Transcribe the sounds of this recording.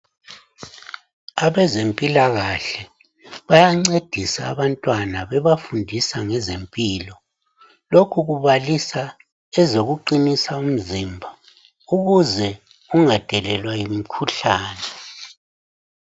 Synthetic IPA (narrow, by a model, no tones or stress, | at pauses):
aβɛzempʼilaɣaɬɛ | βajaŋ͡ǀed̥ʱisaːβantʼwanaβɛβafundʱisaŋɛzempʼiːlɔ | lokʰuɣuβalisa | ɛzoɣuǃinisaum̩zimbʱa | uɣuzɛ | uŋad̥ʱɛlɛlwajim̩kʰuɬaːnɛ